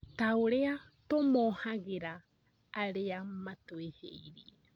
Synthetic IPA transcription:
t̪awɾea | t̪omohaɡeɾaː | ɾeamat̪oehḛjɾi

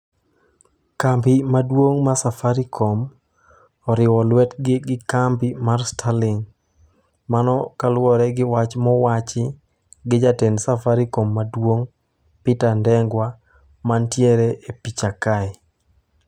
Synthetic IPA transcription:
kampimadwoŋmasafaɾikʰom | ɔɾɪwɔlwɛtɡɪɡɪkampimarstʰalɪŋ | manɔkalwɔɾɛɡɪwat͡ʃmɔwat͡ʃɪ | ɡɪd͡ʒatensafaɾikomːadwoŋ | pɪtandɛŋɡwa | mantjeɾeʔepit͡ʃakaɛ

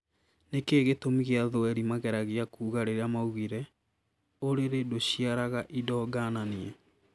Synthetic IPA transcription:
nekeːɣetomiɣeaðoɛɾimaɣɛɾaɣeakuːɣaɾeɾeamauɣiɾɛ | oɾeɾedoɕiaɾaɣaʔidɔːɡananiɛ

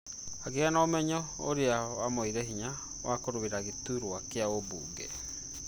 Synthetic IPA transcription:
aɣeanaomɛɲɔ | o̰ɾeawamoiɾɛɦiɲa | wʔakoɾoβeɾaɣetuɾoakeaobṵːɡɛ

